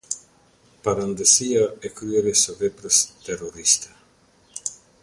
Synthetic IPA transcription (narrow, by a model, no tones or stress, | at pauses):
paɾand̪esiaekɾueɾesoβepɾest̪eroɾist̪ɐ